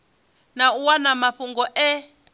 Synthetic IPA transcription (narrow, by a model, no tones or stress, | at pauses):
nauwanamaɸuŋɡɔʔɛ